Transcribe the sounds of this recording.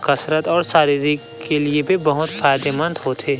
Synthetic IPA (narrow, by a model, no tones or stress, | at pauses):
kɐsɾət̪ɔːɾsaːɾiɾi | keliebʱibɐɦʊt̪faːjd̪emɐ̃nt̪ɦoːt̪ʰeː